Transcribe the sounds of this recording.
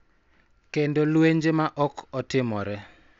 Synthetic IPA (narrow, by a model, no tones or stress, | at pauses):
kendolweɲd͡ʒemaʔɔkɔtɪmɔɾɛ